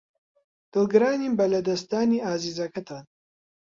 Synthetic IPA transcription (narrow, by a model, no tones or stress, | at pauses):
d̪̥ɨlɡɨɾaːniːmbɐlɐd̪ɐst̪aːniːaːziːzɐkɐt̪ʰaːn